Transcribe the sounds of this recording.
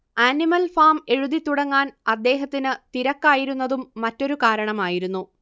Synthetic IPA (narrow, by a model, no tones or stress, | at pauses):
aːnimɐlfaːme̞ɻuðit̪ːuɽɐŋːaːnɐd̪ːe̞ːɦɐt̪ːinɨt̪iɾɐkːaːjiɾunːɐðumːɐtːo̞ɾukaːɾɐɳɐmaːjiɾunːu